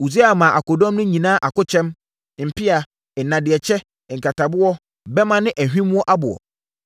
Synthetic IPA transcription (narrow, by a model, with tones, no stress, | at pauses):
u˨ze˦a˨mã˨ʔa˨kɔ˨dɔ̃˦mnʊ̃˦ɲĩ˨nã˦ʔa˨kʊ˦t͡ɕʰɛ̃˦m˨ | m̩˨pʰɪ˦a˨ | nã˨dɪ˨ɛ˨t͡ɕʰɛ˦˨ | ŋ̩˨kʰa˨tʰa˨bʊ˦ɔ˦ | bɛ˦mã˦˨nɪ̃˦ʔæ˨ɦᶣĩ˦mũ˦ɔ˦ʔa˦bʊ˨ɔ̰˨